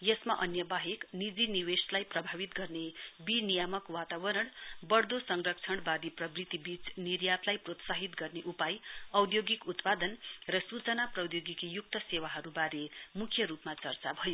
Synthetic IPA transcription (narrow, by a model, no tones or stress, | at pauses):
jʌsmaʔʌnjʌbaɦeknid͡ziniweslajprʌbʱabit̪ɡʌrnebinijamʌkwat̪abʌɾʌɽbʌrd̪osʌŋrʌk̚t͡sʰʌɽ̃bad̪iprʌbrit̪ibit͡snirjat̪lajprot̪saɦit̪ɡʌrneʔupajʌwd̪ʱjoɡikut̪pad̪ʌnrʌsut͡sʌnaprʌwd̪joɡikjuk̚t̪ʌsewaɦʌɾubaɾemukʰjʌɾupmat͡sʌrt͡sabʱʌjo